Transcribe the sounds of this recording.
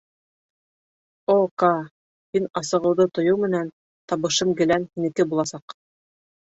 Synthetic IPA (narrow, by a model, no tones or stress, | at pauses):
okɑ | hinɑsɤ̆ʁɤ̆wðɤt̪ŏjɤwmɘ̆næn | t̪ɑβɤ̆ʃɤmɡɘ̆lænhinɘ̆kɘbulˠɑsɑq